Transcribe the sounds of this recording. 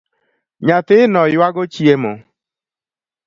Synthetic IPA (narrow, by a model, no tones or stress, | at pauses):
ɲatɪnɔjwaɡot͡ʃiemo